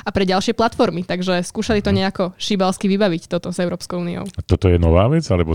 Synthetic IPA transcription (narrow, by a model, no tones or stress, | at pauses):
ʔapɾɛɟalˠʃɪɛplat̪fɔɾmit̪aɡʒɛskuːʃalit̪ɔɲɛakɔʃibalskiʋibaʋict̪ɔt̪ɔzɛʊɾɔːpskɔʊuːniɔ̰ʊat̪ɔt̪ɔjɛnɔʋaːʋɛd͡zalɛbɔ